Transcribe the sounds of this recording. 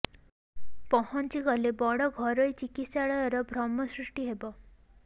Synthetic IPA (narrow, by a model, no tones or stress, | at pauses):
pɔhɔnt͡ʃiɡɔlebɔɽɔɡʱɔɾɔjt͡ʃikit̪saɭɔjɔɾɔbʱɾɔmːɔsɾuʂʈiɦebɔ